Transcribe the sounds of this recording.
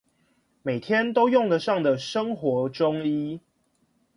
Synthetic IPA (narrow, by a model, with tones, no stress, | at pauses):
me˨˩ɪt̪ʰjɛ˦nt̪o˥ʊjʊ˥˨ŋd̪ə˨ʂɑ˥˩ŋd̪ə˨ʂə˦ŋxwɔ˨˧˦ʈ͡ʂʊ˦ŋi˦